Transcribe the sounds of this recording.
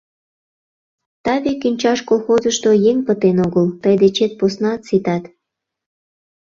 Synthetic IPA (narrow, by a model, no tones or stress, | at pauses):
t̪ɑβekynʲt͡ɕɑʃkolxozəʃt̪ojeŋpət̪enoɣəlt̪əjd̪et͡ɕet̪̚posnɑt̪sit̪ɑt̪